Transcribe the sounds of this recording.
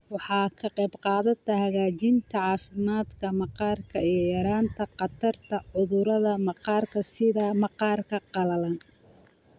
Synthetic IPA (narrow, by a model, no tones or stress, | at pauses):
wɑħɑːkʰɐqɛjbqɑːðɐt̪ʰɐhɐɣaːt͡ʃɪnt̪ʰɐʕɑːfɪmaːd̪kʰɐmɑqɑːrkʰɐijjɐɾaːnt̪ʰɐqɑt̪ʰɐrt̪ʰɐʕʊðʊɾɐðɐmɑqɑːrkʰɐsɪðamɑqɑːrkʰɐqɑlɐlɐn